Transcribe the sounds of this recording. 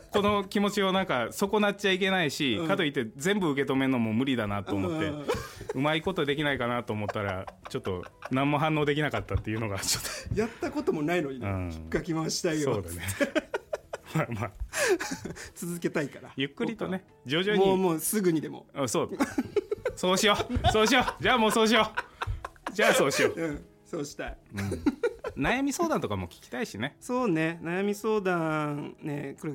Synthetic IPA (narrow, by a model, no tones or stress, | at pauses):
ko̞no̞kʲimo̞t͡ɕio̞nãŋkaso̞ko̞nat̚ːt͡ɕaik̬e̞naiɕikat̪o̞it̪ːe̞zẽ̞mbɯɯ̟k̬e̞t̪o̞me̞nomo̞mɯ̟ɾʲid̪anat̪ːo̞ːmo̞t̪ːe̞ɯ̟maiko̞t̪od̪e̞kʲinaikanat̪oːmot̪ːaɾa̰t͡ɕo̞t̪ːo̞̰nãmːo̞ɦãnːo̞ːd̪e̞kʲinakat̪ːat̪ːe̞iɯ̟no̞ɡat͡ɕot̪ːojat̪ːako̞t̪omo̞nainoɲiɯ̰̃ːikːakʲimãɕi̥t̪aiesoːd̪ane | mamaː | t͡sɨzɨke̞t̪aikaɾa̰jɯ̟kːɯ̟ɾʲit̪o̞ne̞ | d͡ʑoːʑoːɲmoimoːsɨɡɯ̟ɲ̟id̪e̞mo̞̰ɯ̃soː | soːɕiosoːɕ̬iod͡ʑaːmo̞ːso̞ːɕ̬io | d͡ʑaːso̞ːɕioɯ̃ | soːɕi̥t̪aĩ | najamʲiso̞ːd̪ãnt̪o̞kamo̞kʲi̥kʲi̥t̪aiɕine̞so̞ːne̞najamʲiso̞ːd̪ãnekoɾe